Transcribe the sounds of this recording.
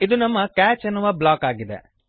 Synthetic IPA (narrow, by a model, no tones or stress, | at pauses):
id̪unɐmːɐkaːt͡ʃenːuʋɐblaːkaːɡid̪ḛ